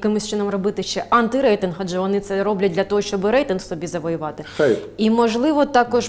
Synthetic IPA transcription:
kɪmɪsʲt͡ʃɪnɔmrɔbɪt̪ɪʃt͡ʃɛʔɑnt̪ɪɾɛjt̪ɪnɦɐd͡ʒʒɛʋɔnɪt̪sɛɾɔblʲɐt̚ʲdʲlʲɐt̪ɔɦɔʃt͡ʃɔbɪɾɛjt̪ɪnxwsɔbʲizɐʋɔjʊʋɑt̪ɪxj | imɔʒlˠɪʋɔt̪ɑkɔʃ

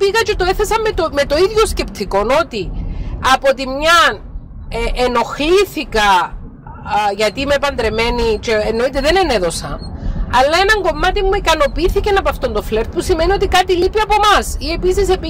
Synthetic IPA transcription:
piɣɐt͡ʃe̞t̪oeθesɐmːet̪ome̞t̪o̞iðʝo̞sce̞pt̪ʰiko̞no̞t̪iɐpo̞t̪imɲɐn | eʔeno̞xliθikɐ | ʝɐt̪iimeepɐnd̪ɾeme̞nit͡ʃeːnːo̞it̪eðe̞ne̞ne̞ðo̞sɐ̰ɐlːɐe̞nɐŋɡo̞mːɐt̪imːuikɐno̞piiθicenɐpɐft̪ond̪o̞fle̞ɾt̪̚pusime̞nio̞t̪ikɐt̪ilipiɐpo̞mɐsie̞pisisep

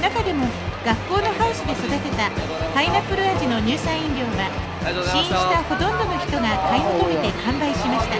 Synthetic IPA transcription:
nakad̪e̞mo̞ɡ̥akːo̞ːno̞hao̟ɕid̪e̞sod̪at̪e̞t̪a | sainapɯ̟ɾɯ̟aʑino̞ɲ̟ɨːsãɰ̃ĩnɾʲjo̞ːɡa | ɕĩɕi̥t̪aho̞t̪õ̞nd̪o̞no̞çi̥t̪o̞ɡakaimok̪omit̪e̞kãmbaiɕimaɕi̥t̪a

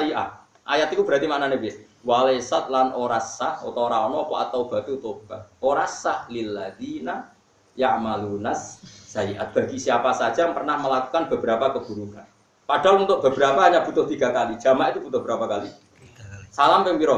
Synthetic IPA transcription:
aiʔa̰ | ʔajat̪ikub̥əɾat̪imaʔnanebɪs | walesat̪̚lanʔoɾasaho̰t̪oɾaɔnɔpɔa̰t̪awb̥a̤t̪ut̪ob̥at̪̚oɾasahlilːaðina | jaʕmalunasz̥aiʔa̰t̪̚b̥a̤ɡisjapasad̥ʒ̥apərnahməlaku̥kanb̥ə̤b̥əɾapakəb̥uɾukan | pad̥alunt̪ʊʔ̚b̥ə̤b̥əɾapaɦaɲab̥ut̪ʊht̪iɡ̥a̤kalid̥ʒ̥a̤maʔit̪ub̥ut̪ʊhbəɾapakali | salampɛŋpiɾɔ

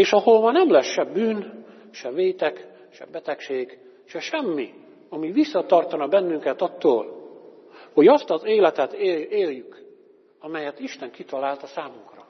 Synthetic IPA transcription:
eːʃɒɦolmɒnɛmlɛsʃɛbyːn | ʃɛveːt̪ɛk | ʃɛ̰bɛt̪ɛkʃeːɡ | ʃɛʃɛmːi | ɒmiʋisːɒt̪ɒrt̪ɒnɒbɛnːyŋkɛt̪ɒt̪ːo̰ːl | ho̞ɟɒst̪ɒzeːlɛt̪ɛt̪eeːljyk | ɒmɛjɛt̪iʃt̪ɛŋkit̪ɒlaːlt̪ɒsaːmuŋkrɒ

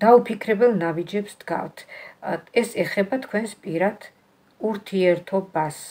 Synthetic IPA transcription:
d̪̥aupʰikʰɾɛbɛlˠnabid͡ʒɛpsd̪̥ɡa̰ft̪ʰ | ɛsɛχɛbat̪ʰkʰwɛnspʼiɾad̪̥ | uɾt̪ʰiɛɾt̪ʰɔbas

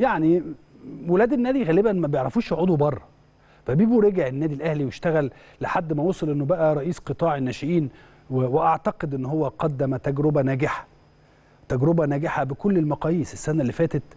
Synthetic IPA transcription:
jaʕni | welæːd̪ænːæːd̪iɣæːlebænmæbjeʕɾˤɑfuːʃoʕoːd̪ubɑrˤːɑ | fæbiːbuɾeɡeʕenːæːd̪ilʔæhliweʃt̪æɣælː | eħad̪ːmæwosˤelʔenːobæʔæɾˤɑʔiːsqɨt̪ˤɑːʕenːæːʃeʔiːn | weweʔɑʕt̪ɑqed̪ʔenːhowːæqɑd̪ːæmæt̪æɡɾobænæːɡɪħæ̥ | t̪æɡɾobænæːɡɪħabekolːelmɑqɑːjiːsesːænælːifæːt̪et̪

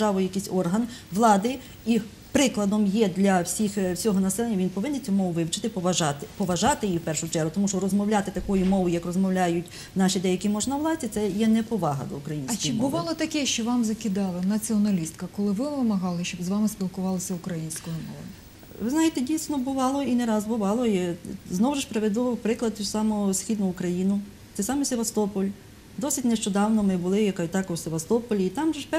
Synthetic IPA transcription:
ɑʋɔjjɐkisʲɔrɦɐnʋlˠɑd̪ɪ | i | pɾɪklˠɐd̪ɔmjɛd̪lʲɐwsʲixwsʲɔɦɔnɐsɛlˠenʲːɐʋʲinpɔʋɪnːɛt͡sʲumɔʋʊʋɪwt͡ʃɪ̥t̪ɪpɔʋɐʒɑt̪ɪpɔʋɐʒɑt̪ɪjiwpɛrʃʊt͡ʃɛɾɦʊt̪ɔmuʃt͡ʃɔrɔzmɔwlʲat̪ɪt̪ɐkɔjʊmɔʋʊjɐkrɔzmɔwlʲajʊtʲ | nɑʃid̪ɛjɐkimɔʒnɐʋlˠɑt͡sʲɪt̪sɛjɛnɛpɔʋɑɦɐ̰d̪ɔ̰ukɾɐjinʲɐkt͡ʃɔɪbʊʋɑlˠɔt̪ɐkɛʃt͡ʃɔʋɑmzɐkʲɪd̪ɑlˠɐnɐt͡sʲiɔnɐlʲist̪kɐkɔlˠɪʋɪʋɪmɐɦɑlˠɪʃt͡ʃɔbzʋɑmɪspʲilˠkʊʋɑlˠɐsʲɐʊkɾɐjinʲsʲkɔjɔmɔ̰ʋɐ̰ | ʋɪznɑjet̪ɛdʲijsʲnɔbʊʋɑlˠɔineɾɑzbʊʋɑlˠɔjiznɔwʒɪʂpɾeʋed̪ʊpɾɪklˠɐd̪̚t̪usɑmʊsxʲid̪nʊːkɾɐjinʊ | t̪ɛsɑmɛsʲeʋɐst̪ɔpɔlʲ | d̪ɔsʲitʲneʃt͡ʃɔd̪ɑwnɔmɪbʊlˠɪjɐkɐjt̪ɑkɔwsʲeʋɐst̪ɔpɔlʲiːt̪ɑmʒɛpɛ

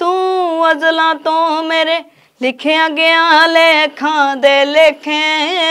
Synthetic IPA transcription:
t̪ũːʋəzlãːt̪õːmeːɾeː | lɪkʰeːaɡeːãːleːkʰãːd̪eːleːkʰẽː

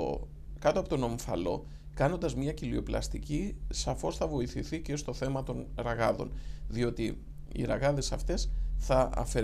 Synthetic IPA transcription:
kɐt̪oɐpo̞t̪o̞no̞ɱfɐ̰lo̞̰ | kɐno̞nd̪ɐzmɲɐcilio̞plɐ̰st̪icisɐfo̞sθɐvo̞iθiθicest̪o̞θe̞mɐt̪o̞nɾɐɣɐðo̞̰nðio̞t̪i | ḭɾɐ̰ɣɐðe̞sɐft̪e̞sθɐɐ̰fe̞

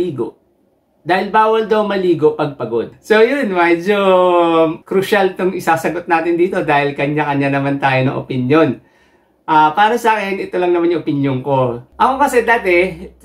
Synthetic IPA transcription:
iːɡo̰ʔ | d̪aːhɪlbaːwɐld̪ɐwmɐliːɡoʔpɐɡ̚pɐɡod̪̚sojʊnmɛd͡ʒo | kɾuʃalt̪ʊŋɪsaːsɐɡot̪̚naːt̪ɪnd̪iːt̪o̞d̪aːhɪlkɐɲːakɐɲːanɐmant̪aːjonɐ̰ŋʔo̰pɪnjo̞n | ʔaːpaːɾɐsaːkɛnʔɛt̪olɐŋnɐmanjʊŋʔopɪnjoŋko̞ʔɐkokɐsɛd̪aːt̪ɛ

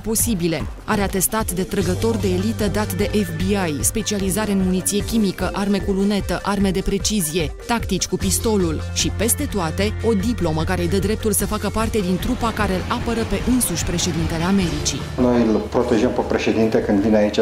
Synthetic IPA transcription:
po̞sibile̞ | a̰ɾeat̪e̞st̪at̪d̪e̞t̪ɾəɡət̪o̞rd̪e̞ːlit̪əd̪at̪d̪e̞ʔefbiajspe̞t͡ʃializaɾe̞ɨnmunit̪sije̞kʲimikəʔarme̞kulune̞t̪əʔarme̞d̪e̞pɾe̞t͡ʃizije̞t̪akt̪it͡ʃʲkupist̪o̞lul | ʃipe̞st̪e̞t̪oat̪e̞o̞d̪iplo̞məkaɾe̞jd̪əd̪ɾe̞p̚t̪ulsəfakəpart̪e̞d̪int̪ɾupakaɾe̞ɨlapəɾəpe̞ʔɨnsuʃʲpɾe̞ʃe̞d̪int̪e̞le̞ame̞ɾit͡ʃḭ | no̞jɨlpɾo̞t̪e̞ʒəmpepɾe̞ʃe̞d̪int̪ekɨnd̪vineait͡ʃ

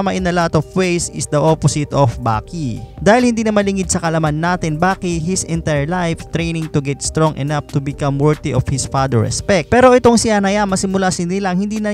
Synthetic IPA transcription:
mɐʔɪnɐlat̪ɔfwejsɪ̰sd̪ɐʔoposɪt̪ofba̰ːkid̪aːhɪlhɪnd̪iːnɐmɐlɪŋɪd̪̚sɐkɐlɐmanːaːt̪ɪnbaːkɪtɦɪsɪ̃nt̪ajəɹlajft̪ɾejnɪŋt̪ʊɡɛt̪st̪ɾoŋʔɛnaft̪ʊbɪkɐmwɛɹðiʔofhɪsfad̪ɛ̰ɹɛ̰spɛk̚tpɛːɾo̞ʔɪt̪o̞ŋsɪanɐjamɐsɪmʊlasɪnɪlɐŋhɪnd̪iːnɐ

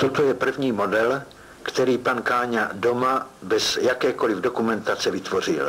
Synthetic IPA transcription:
t̪o̞t̪o̞jɛpr̩vɲiːmo̞dɛl | kt̪ɛɾiːpankaːɲado̞mabɛzjakɛːko̞lɪvdo̞kumɛnt̪at͡sɛvɪt̪vo̞r̝ɪ̰l

